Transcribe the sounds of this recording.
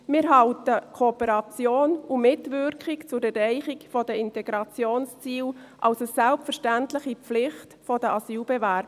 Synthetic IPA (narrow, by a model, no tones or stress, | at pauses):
mɪːɾɦɑʊtəkʰopəɾɑt͡sjoːnumɪtvʏɾkχɪkt͡sʊɾɛrɛɪχɪkfɔdəɪntɛɡ̥ɾɑt͡sjoːnst͡siːlʔɑlsəsɛlpfəɾʃtæntlɪχiflɪχtfɔdəʔɑsyːlbɛvæːɾb̥ə